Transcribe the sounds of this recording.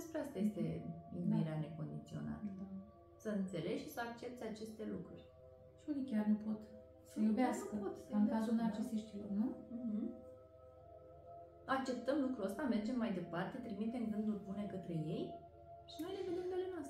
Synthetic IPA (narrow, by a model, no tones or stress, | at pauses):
spɾeast̪ajest̪ḛḭniɾeane̞ko̞nd̪it̪sio̞̰na̰t̪ə | səɨnt̪se̞le̞ɡʃisəak̚t͡ʃe̞p̚t̪seat͡ʃe̞st̪e̞lukɾuɾʲ | ʃiunikʲarnupo̞t̪ | səjubeasəpot̪skazuneat͡ʃest̪eʃt̪iwnuɦ̩ | ak̚t͡ʃe̞p̚t̪əmlukɾuəst̪ame̞rd͡ʒe̞mːajd̪e̞part̪e̞t̪ɾimit̪e̞mɡɨnd̪ulbune̞kət̪ɾe̞je̞j | ʃino̞jleɡənd̪imd̪elenoast̪ɾe